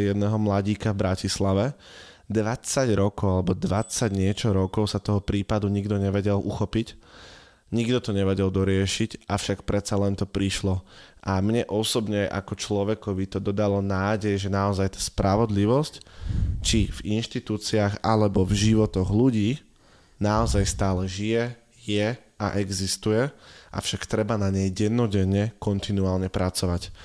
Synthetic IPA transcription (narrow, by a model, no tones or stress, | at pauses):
jɛd̪nɛɦɔmlaɟiːkavbɾacislaʋɛ | d̪ʋat͡saɟɾɔkɔʊalɛbɔd̪ʋat͡saɟɲɪɛt͡ʃɔɾɔkɔʊsat̪ɔɦɔpɾiːpad̪uɲiɡd̪ɔɲɛʋɛɟɛlʔuxɔpic | ɲiɡd̪ɔt̪ɔɲɛʋɛɟɛld̪ɔɾɪɛʃicafʃakpɾɛt̪t͡salɛnt̪ɔpɾiʃlɔʔamɲɛʔɔsɔbɲɛʔa̰kɔt͡ʃlɔʋɛkɔʋit̪ɔd̪ɔd̪alɔnaːɟɛjʒɛnaɔzajt̪aːspɾaʋɔd̪liʋɔsct͡ʃivinʃt̪it̪uːt͡siaɣa̰lɛbɔvʒiʋɔt̪ɔɣluɟiː | naɔzajst̪aːlɛʒijɛ | jɛ | aʔɛɡzist̪ujɛʔa̰fʃakt̪ɾɛbanaɲɛjɟɛnːɔɟɛɲːɛkɔnt̪inuaːlɲɛpɾat͡sɔʋac